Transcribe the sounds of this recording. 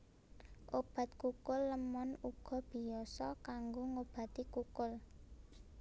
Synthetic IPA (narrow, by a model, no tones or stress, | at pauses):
ʔob̥a̤t̪̚kukʊlːəmɔnuɡ̥ɔ̤b̥i̤jɔsɔkaŋɡoŋob̥a̤t̪ikukʊl